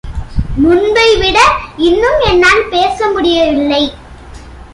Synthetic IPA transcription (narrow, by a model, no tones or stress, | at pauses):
mʊnbɐɪʋɪɽɐɪnːɯmɛnːaːlpeːsɐmʊɽɪjɐʋɪlːɐɪ